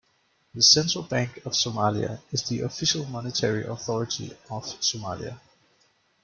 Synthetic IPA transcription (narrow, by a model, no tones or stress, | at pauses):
ðəsɛ̃ntʰɹ̥əlˠb̥æ̃ŋkʰʌv̥somaliə̰ɪzðiʔəfɪʃəlˠmɑnətʰɛɹiʔɔθɔɹətʰḭəv̥somælḭə̰